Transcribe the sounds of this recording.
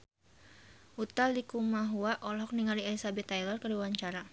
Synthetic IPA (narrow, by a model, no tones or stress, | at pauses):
ʔut̪aldikumaɦuaʔɔlɦɔk̚niŋalielisabɛt̪ːajlɔrkəriwaɲt͡ʃaɾa